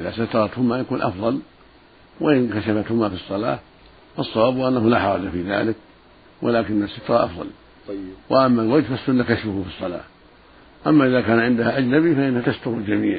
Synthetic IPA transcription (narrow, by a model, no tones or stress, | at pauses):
ʔɪðasat̪ɑɾˤɑt̪hʊmajakuːnʔɑ̰fðˤɑl | wa̰ʔɪnkaʃafat̪hʊmafisˤːɑla̰ː | fɑsˤːɑwaːbhʊʔanːahʊlaːħɑɾˤɑd͡ʒafiːða̰ːlɪk̚ | wʔa̰laːkɪnːasːat̪ɑɾˤɑʔɑ̰fðˤɑ̰l | waʔamːalwad͡ʒfasːʊnːakaʃfʊhʊfisˤːɑla̰ː | ʔamːaʔɪðaːkaːnʕɪnd̪ahaʔad͡ʒnabifaʔɪnːahat̪ast̪ʊɾʊld͡ʒamḭːʕ